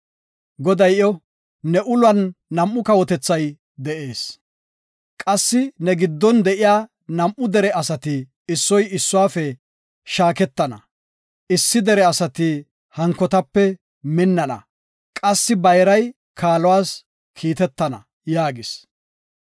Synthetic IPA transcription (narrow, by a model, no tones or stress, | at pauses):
ɡɔd̪ɐjɔ | nɛʔʊlwɐnːɐmʔːʊkɐwɔt̪ɛt͡sːɐj | d̪ɛʔe̞ːs | kʼɐsːɪnɛɡɪd̪ːɔnd̪ɛʔɪjaː | nɐmʔʊd̪ɛɾɛɐsɐt̪ɪ | ɪsːɔjɪsːʊwaːfɛ | ʃaːkɛt̪ːɐnɐ̰ | ʔɪsːɪd̪ɛɾɛɐsɐt̪i | hɐŋkːɔt̪ɐpːɛ | mɪnːɐnɐ̰ | kʼɐsːɪbɐjɾɐj | kʰaːlɔwaːs | kʰiːt̪ɛt̪ːɐnɐ̰ | jaːɡɪs